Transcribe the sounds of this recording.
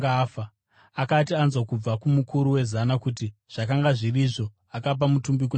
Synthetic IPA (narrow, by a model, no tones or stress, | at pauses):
afa | akatianzwakub͡vakumukʰuɾuwe̞zanakutiʐ̥akaŋɡaʐiriʐo̞ | akap̬amutumbik̬u